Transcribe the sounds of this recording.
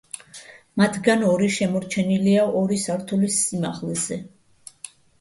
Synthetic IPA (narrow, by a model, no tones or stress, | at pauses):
mat̪ʰɡanɔɾiʃɛmɔɾt͡ʃʰɛniliaɔɾisaɾt̪ʰulisːimaχlɛzɛ